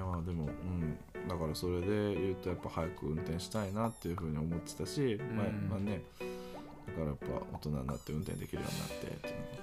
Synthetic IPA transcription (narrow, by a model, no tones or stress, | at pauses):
jamad̪e̞mo̞ɯ̟̃ɴ | d̪akaɾaso̞ɾe̞d̪e̞jɯ̟ːt̪o̞japːahajakɯ̟ɯ̟̃nt̪ẽ̞ɰ̃ɕi̥t̪ainat̪ːe̞jɯ̟ɸɯ̟ːɲ̟io̞mo̞t̪ːe̞̥t̪aɕimamane̞ | d̪̥akaɾajapːa̰o̞̰t̪o̞naɲina̰t̪ːe̞ɯ̟̃nt̪ẽ̞nd̪e̞kʲiɾɯ̟jo̰ɲ̟ḭna̰t̪ːe̞̰t̪ːejɯ̟